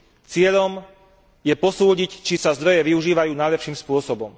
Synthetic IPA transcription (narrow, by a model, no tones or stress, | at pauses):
t͡sɪɛʎɔm | jɛpɔsuːɟict͡ʃisazd̪ɾɔjɛʋiuʒiːʋajuːnajlɛpʃiːmspʊɔsɔbɔm